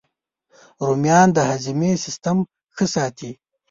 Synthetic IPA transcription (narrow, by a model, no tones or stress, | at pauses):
ɾumjɑːnd̪əhazimesɪst̪əm | xəsɑːt̪ʰi